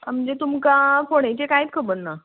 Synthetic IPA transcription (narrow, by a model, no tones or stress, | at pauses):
am̤ənd͡zet̪umkakoɽ̃ajt͡ɕekait̪̚kʰəbəɽna